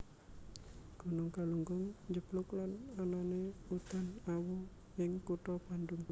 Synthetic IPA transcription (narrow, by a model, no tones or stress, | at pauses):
ɡ̥unʊŋkaluŋɡʊŋd͡ʒəplʊklanananeut̪anawu | jɪŋkuʈɔpanduŋ